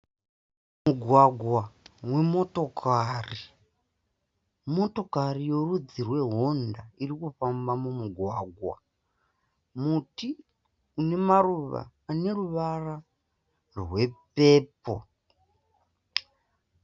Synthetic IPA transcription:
muɡʱwaɡʱwawe̞mo̞to̞kʰari | mo̞to̞karijo̞rud͡zirwe̞ɦondaiɾikufambamumuɡʱwaːɡʱwa̰ | muti | une̞maruʋa̰ːne̞ruʋara | rwe̞peːpo

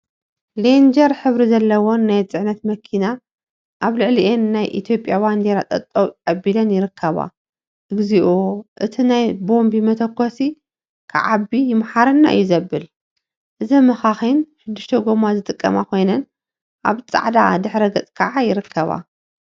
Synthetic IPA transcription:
lend͡ʒɐɾħɨβɾizɐlːɐwonːajt͡sʼɨʕnɐt̪mɐkʰina | ʔaβlɨʕliʔenːajʔḭt̪ʰjo̞pʼːjaband̪eɾat̪ʼɐ̰t̪ʼːokʼɐbːilɐnjɪɾɨkʰːɐβa̰ | ʔɨɡziʔoʔɨt̪ʰinajbo̞mbimɐt̪ʰɐkʰːosi | kʰaʕabːijɪmħaɾɐnːa̰ʔɨ̰jːuzɐbːɨl | ʔɨzɐmɐxaxinʃɨd̪ːɨʃt̪ʰɐɡomazɨt̪ʼɨkʼːɐ̰makʰo̞jnɐn | ʔa̰βt͡sʼa̰ʕd̪a̰d̪ɨħɾɐɡɐt͡sʼkʰɐʕajɪɾɨkʰːɐβa̰

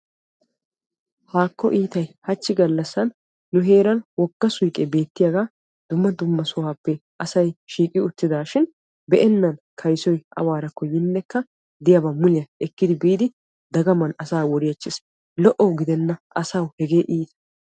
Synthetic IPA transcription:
haːkːɔ̰ʔiːt̪ɐjhɐt͡ʃːɪɡɐlːɐsːɐnː | ʊɦeːɾɐnwɔɡːɐsʊjkʼɛbe̞ːt̪ːɪjaɡaː | d̪̥ʊmːɐd̪ʊmːɐsɔwaːpːɛʔɐsɐjʃiːkʼɪʊt̪ːɪd̪aːʃɪn | bɛʔɛnːɐnkʰɐjsɔjʔɐ̰waːɾɐkːɔjɪnːɛkːɐ | d̪ɪjɐbɐmʊlɪjɐɛkːɪd̪ɪbiːd̪ɪ | d̪ɐɡɐmɐnɐsaːwɔɾɪjɐt͡ʃːɪs | lɔʔɔwɡɪd̪ɛnːɐʔɐsawhɛɡe̞ːʔiːt̪ɐ

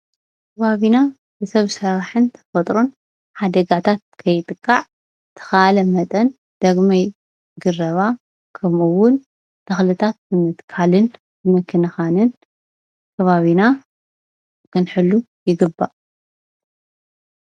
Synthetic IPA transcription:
kʰɐβaβina | bɨsɐβsɐɾaħɨnt̪ʰɐ̥fɐt̪ʼɾon | ħad̪ɐɡat̪ʰat̪̚kʰɐjɨt̪ʼɨkʼːaʕ | t̪ʰɐ̥xɐʔalɐmɐt̪ʼɐn | d̪̥ɐɡmaj | ɡɨrɐβa | kʰɐmuwːʊn | t̪ʰɐxlɨt̪ʰat̪̚mɨmɨt̪kʰalɨn | ɨmɨkʰːɨnɐxanɨn | kʰɐβaβina | kʰɨnħɨlːu | jɪɡɨbːaʔ

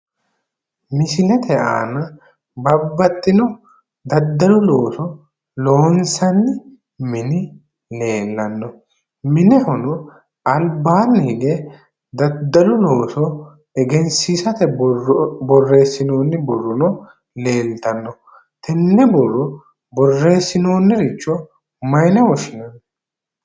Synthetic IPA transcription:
mɪsɪlɛt̪ʰɛʔa̰ːnɐ | bɐbːɐt̪ʼːɪnɔ | d̪ɐd̪ːɐlʊloːsɔ | loːnsɐnːɪ | mɪnɪ | le̞ːlːɐnːɔ | mɪnɛhʊnʊ | ʔɐlbaːnːɪhɪɡɛ | d̪ɐd̪ːɐlʊlo̞ːsɔ | ɛɡɛnsiːsɐt̪ɛ | bɔrːe̞ːsːɪno̞ːnːɪbɔrːɔnɔ | le̞ːlt̪ɐnːɔ | t̪ʰɛnːɛbɔrːɔ | bɔrːe̞ːsːɪnoːnːɪɾɪt͡ʃːɔ | mɐjnɛwɔʃɪnɐnːɔ

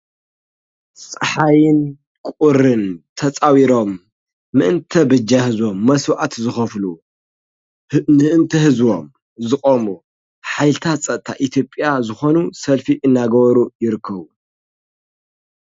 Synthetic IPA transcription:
sʼɐħajɪn | kʼuɾɨnt̪ʰɐt͡sʼawiɾo̞mː | ɨʔɨnt̪ʰɐbɨd͡ʒahɨzwo̞mːɐswʔat̪zɨxɐflu | nɨʔɨnt̪ʰɐhɨzwo̞m | zɨkʼomu | ħajlɨt̪ʰat͡sʼɐt̪ʰːaʔit̪ʰjo̞pʼjazɨxo̞nusɐlfiʔɨnːaɡɐβɐɾujɪɾɨkʰːɐβu

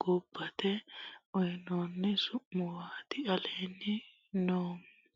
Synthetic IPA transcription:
ɡ̥ʊbːɐt̪ɛʔɔjnoːnːɛsʊʔːʊwaːt̪ɪɐleːnːɪ | noːm

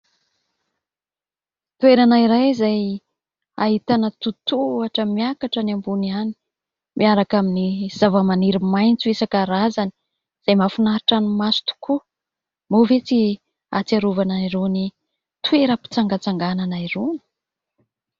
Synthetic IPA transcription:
t̪ueɾanaiɾajzaj | aɦit̪anət̪ut̪uaʈ͡ʂəmiakaʈ͡ʂənambuniani̥ | mʔiaɾakaminiz̥avəmaniɾimajnt͡suesakaɾazani̥ | z̥ajmafunaɾiʈ͡ʂanimasu̥t̪u̥ku | movet͡si | at͡saɾuvanaiɾoni | t̪ueɾəpi̥t͡saŋɡat͡saŋɡananaiɾoni̥

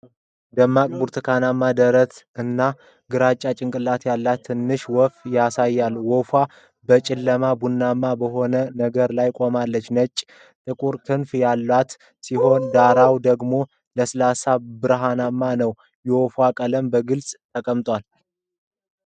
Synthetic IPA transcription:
d̪əmːakʼbuɾt̪ʰɨkʰanamːad̪əɾət̪ɨnːa | ɡɨɾat͡ʃʼːat͡ʃʼɪŋkʼɨlːat̪jalːat̪ʰːɨnːɨʃwɔfjasajːalwɔfwa | bət͡ʃʼɪlːəmabunːamːabəɦo̞nənəɡəɾlajkʼo̞malːət͡ʃːnət͡ʃʼː | t̪ʼɨkʼuɾt̪ʰɨnfjalːat̪ | siɦo̞nd̪aɾawd̪əɡmo̞ | ləsɨlasabɨɾɦanamːanəw | jɛwɔfwakʼələmbəɡɨlsʼt̪ʰəkʼəmt̪ʼwal

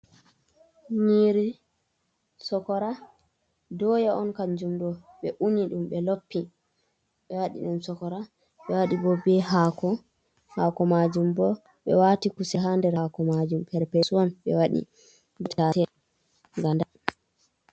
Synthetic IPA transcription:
ɲiɾi | sɔkɔɾa | dɔjaʔɔnkaɲd͡ʒumɗɔ | ɓɛʔuniɗumɓɛlopːi | ɓɛwaɗḭɗumsɔkɔɾa | ɓɛwaɗibɔbɛɦakɔ | hakɔmad͡ʒumbɔ | ɓɛ̰watikusɛɦandɛɾakɔmad͡ʒumpɛɾpɛsuanɓɛ̰waɗḭ | btatɛ | ŋɡanda

